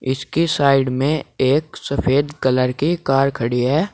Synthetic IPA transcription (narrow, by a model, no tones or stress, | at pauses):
ɪ̰skisaːɪɖmẽeːksɐfʰeːd̪kɐləɾkikaːɾkʰɐɽiɦɛː